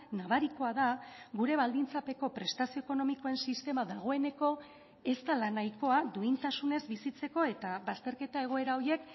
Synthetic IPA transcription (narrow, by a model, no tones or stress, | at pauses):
naβaɾiko̞að̞aɡuɾe̞βald̪int͡sape̞ko̞pɾe̞st̪asioeko̞no̞miko̞e̞nsist̪e̞maðaɣ̞o̞e̞ne̞ko̞ | e̞st̪alanajko̞ad̪uint̪asune̞zbisit͡se̞ko̞e̞t̪aβast̪e̞ɾke̞t̪ae̞ɣ̞o̞e̞ɾao̞ɾje̞k